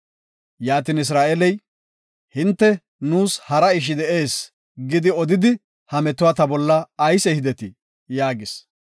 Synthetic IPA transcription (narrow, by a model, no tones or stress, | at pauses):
jaːt̪iːnɪs̬ɾaːʔɛlɛj | hɪnt̪ːɛ | nuːshɐɾɐɪʃ̬ɪd̪ɛe̞ːs | ɡɪd̪ɪɔd̪ɪd̪ɪ | hɐmɛt̪ːʊwaːt̪ɐbɔlːɐːjsɛhɪd̪ɛt̪ɪ | jaːɡɪs